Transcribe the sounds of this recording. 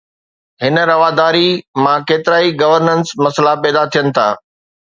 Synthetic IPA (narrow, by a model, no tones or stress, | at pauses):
ɦɪnə̆ɾɐʋaːd̪aːɾimãkeːt̪ɪɾaːiɡɐʋəɾnənsmɐsəlapɛːd̪at̪ʰijənɪ̆t̪ʰa̰ː